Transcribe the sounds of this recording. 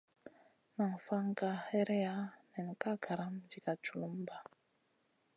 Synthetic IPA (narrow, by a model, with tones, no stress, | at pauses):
na˨ŋ˨fa˦ŋ˦ka˦ɛ˦ɾɛ˦ja˦nɛ˨ŋ̩˨ka˦kʰa˨ɾa˦md͡ʒi˨ka˨t͡ʃu˨lu˦m˦ba˨